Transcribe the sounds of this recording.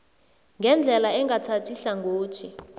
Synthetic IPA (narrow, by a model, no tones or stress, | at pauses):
ŋɡʱɛnd͡ɮʱɛlaɛŋɡatʰatʰiɬaŋɡʱoːt͡ʃʰi